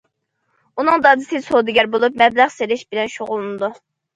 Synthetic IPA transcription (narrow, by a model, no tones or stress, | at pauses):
unɨŋd̪ɑd̪ɨsɨsod̪ɨɡʲɛɾbolˠup̚mɛblæχseɾɪʃbɪlɛnʃoʁʊlˠnɨd̪u